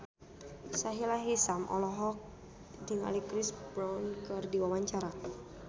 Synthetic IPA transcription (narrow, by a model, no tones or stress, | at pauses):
saɦilaɦisamʔɔ̰lɔɦɔk̚ | diŋa̰likɾisbɾawnkɨrdiwawaɲt͡ʃaɾa